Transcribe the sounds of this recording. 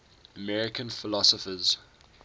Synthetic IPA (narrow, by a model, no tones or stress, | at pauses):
əmɛɹɪkə̃nfɪlɔsɔfəz̥